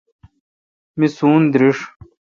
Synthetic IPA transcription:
misuːnd̪ɾiʂ

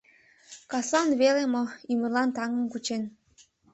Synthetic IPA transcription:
kɑslɑnβelemoymə̆rlɑnt̪ɑŋə̆mkut͡ɕen

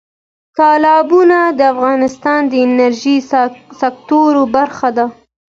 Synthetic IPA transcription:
t̪ɑlɑbunad̪əafɣɑnɪst̪ɑnd̪əɪnaɾʒisak̚t̪oɾobaɾxad̪a

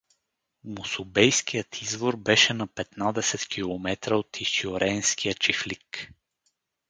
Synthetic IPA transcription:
mʊsʊbɛjskijət̪ʰizvoɾbɛʃɛnɐpɛt̪nad̪ɛsɛt̪kʰʲilˠomɛt̪ɾəot̪iʃioɾɛnskijət͡ʃiflik

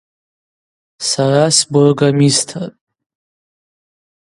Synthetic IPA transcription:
sarasbʊrɡamistʰatʼ

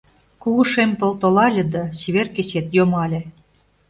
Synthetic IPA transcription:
kuɣuʃempɤ̆lt̪olɑlʲɤ̆d̪ɑt͡ɕiβerket͡ɕet̪jomɑlʲĕ

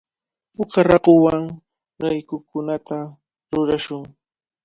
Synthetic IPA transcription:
pʊkaɾɑɢowaŋ | ɢajkʊkʊnat̪a | ɾʊɾaʃʊŋ

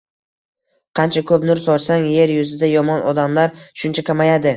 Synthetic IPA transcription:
qʰɑnt͡ʃʰakʰɵpnʊɾsɒɾsaŋje̞ɾjʊzɪd̪ajɒmɒnʔɒd̪amlaɾʃʊnt͡ʃʰakʲʰamajad̪ɪ

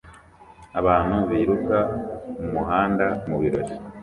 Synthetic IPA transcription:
aβaːn̥huβiːɾukamumuɦaːndamuβiɾo̞̰ɾi

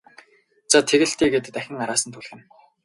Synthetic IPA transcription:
t͡sat̪ʰeɣɘ̆ɬt̪iːɡeːt̪ɘt̪æxʲɪ̆ŋaɾaːsə̆nt̪ʰʊɮxʲɪ̆n

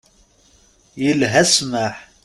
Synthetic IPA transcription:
jəlɦæsmaħ

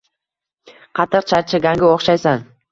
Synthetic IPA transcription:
qʰɑt̪ʰɨqt͡ʃʰaɾt͡ʃʰɪɡʲaŋɡʲɪoχʃajsan

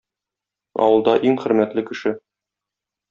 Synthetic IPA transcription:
ɒ̰wɤ̆lˠd̪ɑʔiŋχɘ̆ɾmæt̪lɘkɘ̆ʃɘ

